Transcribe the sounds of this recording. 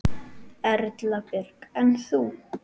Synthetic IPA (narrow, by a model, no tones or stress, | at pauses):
ɛɾt̪lapɪɾ̥kɛnθu